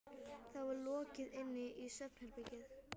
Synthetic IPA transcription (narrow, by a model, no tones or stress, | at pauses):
θaðvaɾlɔːcɪðɪnːɪʔisœpn̥hɛlpɛcɪð